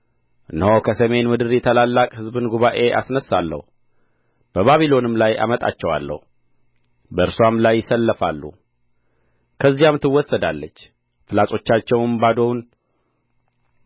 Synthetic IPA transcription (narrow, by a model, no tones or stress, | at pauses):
ʔɨnho̞kʰəsəme̞nmɨd̪ɨɾjɛt̪ʰəlalːakʼhɨzbɨnɡuβaʔe̞ʔa̰snəsːalːə̰hu | b̥əβaβilo̞nɨmlaja̰mət̪ʼa̰t͡ʃːɛwa̰lːə̰hu | bəɨɾswamlajːɪsəlːəfalːṵ | kʰəzːijamt̪ʰɨwːɔsːəd̪alːət͡ʃː | fɨlat̪ʼo̞t͡ʃːat͡ʃːɛwnbad̪o̞wn